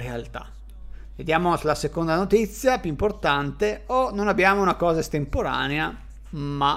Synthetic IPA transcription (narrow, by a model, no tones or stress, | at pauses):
ɾealt̪a̰ | ved̪jaːmoslasekond̪anot̪it̪sːjapjuimport̪ant̪eononabːjaːmounakɔːzaest̪empoɾa̰ːnea | ma